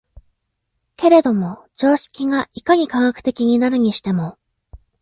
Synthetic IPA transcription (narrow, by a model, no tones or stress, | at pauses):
ke̞ɾe̞d̪o̞mo̞d͡ʑo̞ːɕi̥kʲiŋaʔikaɲ̟ikãŋakɯ̟̥t̪e̞kʲiɲ̟inaɾɯ̟ɲ̟iɕi̥t̪e̞mo̞